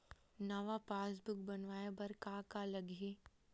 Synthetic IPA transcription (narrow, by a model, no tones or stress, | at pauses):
nɐʋapaːs̬bʊkbɐnʋaːjabɐɾkaːkalɐɡe